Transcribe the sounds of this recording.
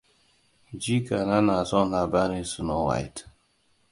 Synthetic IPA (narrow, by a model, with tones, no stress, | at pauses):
d͡ʒi˦ka˨na˦na˨sɔ˦n˨la˨ba˦ni˦su˨no˦wa̰˨jt